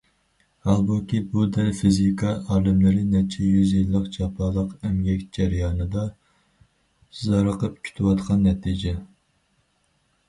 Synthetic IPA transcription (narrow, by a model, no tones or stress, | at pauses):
hɑlˠbukʲibud̪æɾfizikʰɑʔɑːlˠɨmlɪɾɪnɛt͡ʃʰɛjyzjilːəqt͡ʃʰɑpʰɑːlˠəqɛmɡʲɛkʲd͡ʒæɾijɑːnɨd̪ɑ | zɑɾəqʰəp̚kʲʰy̥t̪ʰɪwɑt̪qʰɑnːɛt̪ʰid͡ʒɛ